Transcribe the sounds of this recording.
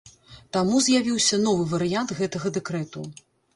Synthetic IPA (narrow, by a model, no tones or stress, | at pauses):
t̪amuzʲjavʲiwsʲɐnɔvɨvɐɾɨjant̪ɣɛt̪ɐɣɐd̪ɛkɾɛt̪ṵ